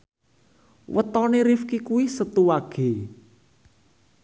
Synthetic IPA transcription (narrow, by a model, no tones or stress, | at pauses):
wʔət̪ɔneɾifkikuisət̪uwaɡ̥e̤